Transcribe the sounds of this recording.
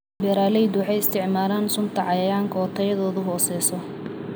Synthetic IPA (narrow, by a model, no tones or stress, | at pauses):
bɛɾaːlɛjd̪wɑħɛjɪst̪ʰɪʕmaːɾaːnsʊmt̪ʰɐʕɑjɐjaːŋkʰɐɔt̪ʰɐjɐðɔːðʊɦɔːsɛːsɔ